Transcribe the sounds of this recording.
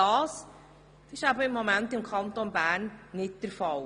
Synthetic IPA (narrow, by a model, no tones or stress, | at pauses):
ɑːs | ɪʃæbəɪmːomæntɪmkʰχɑntonbæːɾnːɪt̚d̥əɾfɑl